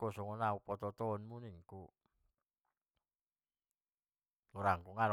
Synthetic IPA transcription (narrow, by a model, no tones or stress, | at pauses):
kosɔŋɔnaupɔt̪ɔt̪ɔːnmuniŋku | uɾaŋkuŋaɾ